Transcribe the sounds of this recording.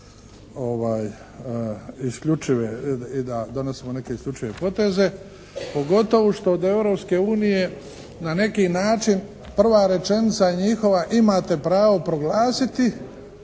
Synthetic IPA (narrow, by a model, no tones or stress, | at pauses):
o̞ʋaːj | iskʎut͡ʃiʋeid̪ad̪o̞ne̞simo̞ne̞keiskʎʲut͡ʃiʋe̞po̞t̪e̞ze̞ | po̞ɡo̞t̪o̞ʋoʃt̪o̞ːd̪e̞ʋɾo̞pske̞uːnije̞ | nane̞kinaːt͡ʃin | pr̩ʋaːɾe̞t͡ʃe̞nit̪saiɲixo̞ʋaʔimaːt̪e̞pɾaːʋo̞pɾo̞ɡlaːsit̪i